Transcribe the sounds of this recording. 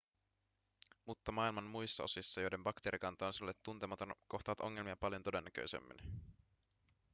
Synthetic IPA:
mut̪ːɑmɑilmɑmmujsːɑo̞̰sisːɑjo̞jde̞mbɑkt̪eːɾikɑnt̪ɑːnsiolːet̪ːunt̪emɑt̪onko̞xt̪ɑʋɑt̪o̞ŋːe̞lmiɑpɑljont̪o̞de̞nːækø̰jsḛmːḭn

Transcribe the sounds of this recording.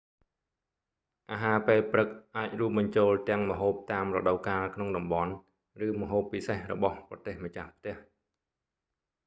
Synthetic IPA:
ʔaːɦaːpeːlprɨk̚ʔaːc̚ruəp̚ɓɑɲt͡ɕoːlt̪ɛ̆əŋməɦoːp̚t̪aːmrɔ̰ɗəwkaːlkʰnoŋɗɑmɓɑn | rɨːməɦoːpːisehrɔ̰ɓɑhprɑt̪eːhmət͡ɕahpʰt̪ɛ̆əh

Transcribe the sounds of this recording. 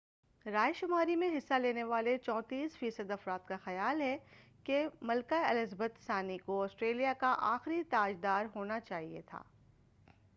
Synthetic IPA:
ɾaːjʃʊmaːɾimẽɦɪsːaleːneʋaːlet͡ʃɔ̃ːt̪iːsfiːsəd̪ɐfɾaːt̪kaxɐjaːlɦɛkemɐlkaɐlɪzbət̪saːnikoɔːsʈɾeːlijakaʔaːxɾit̪aːd͡ʒd̪aːɾɦoːnat͡ʃaːɦiḛt̪ʰa̰ː

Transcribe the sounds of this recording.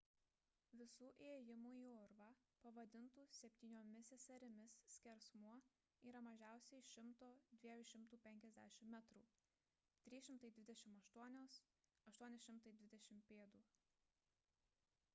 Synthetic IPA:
ʋʲɪsuːʔeːjɪmuːiːʊɾʋɑːpɐʋɐd̪ʲɪnt̪uːsʲɛpʲt̪ʲiːnʲoːmʲɪsʲɛsɐɾʲɪmʲɪssʲkʲɛɾsmuɔ | iːɾɐmɐʒʲæˑʊsʲɛɪʃʲɪmt̪oːd̪ʲʋʲiɛjuʃʲɪmt̪uːpʲɛŋʲkʲɛzʲd̪ʲæ̰ːʃʲɪmːʲɛt̪ɾṵː | t̪ʲɾʲiːʃʲɪmt̪ɐɪd̪ʲʋʲɪd̪ʲɛʃʲɪmɐʃt̪uɔnʲoːs | ɐʃt̪uɔnʲɪsʃʲɪmt̪ɐɪd̪ʲʋʲɪd̪ʲɛʃʲɪmpʲeːd̪uː

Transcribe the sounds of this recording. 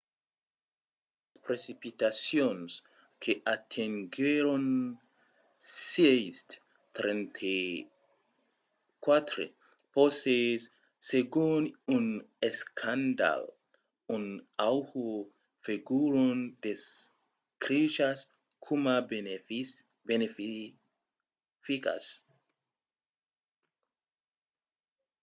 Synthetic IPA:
aspɾesipit̪asjons | kʰeʔat̪ʰeŋɡeɾon | sejst̪ | t̪ɾent̪ʰe | kwat̪ɾḛ | posesː | eɡununeskʰand̪a̰l | unawhu | fiɡuɾund̪̥es | kɾiʃas | kʰumab | benef | fika̰s

